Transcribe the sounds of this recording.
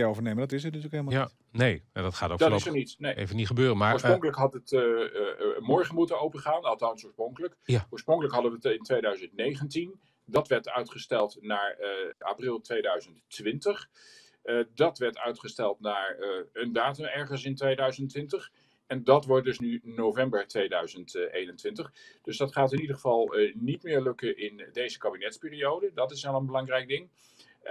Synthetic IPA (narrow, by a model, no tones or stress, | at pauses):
owvəɹnejməndɑtɪs̬ənətyːləkɦelˠəm | nejadɔtχaːtodtssənitnejḛvəniχəbøːrəmaːɹsroŋkələkɦɑtət | mɔɹχənmutənowpəχaːnɑlˠtɑnsʊːɹsproŋkələkʊːɹsproŋkələkɦɑdəʋəɪntʋejdœɥzəntnejχəntin | dɑtʋɛɹtœɥtχəstɛlˠtnaːɹʔa̰ːprɪlˠtʋejdœɥzənttʋɪntəχ | dɑtʋɛɹtœ̰ɥtχəstɛlˠtnaːɹəndaːtəmɛɹχəns̬ɪntʋejdœɥzəntʋɪntəχ | ɛndɑtʋɔɹt̚dɵsnynowvɛmbəɹtʋejdœɥzəntʔejnəntʋɪntəχd̥ɵsdɑtχaːtɪnidəχəvɑlˠnitmɪːɹlɵkəʔɪndejzəkabinɛtspɪːriowdədɑtɪsɛlˠənbəlɑŋrɛjk̚dɪŋ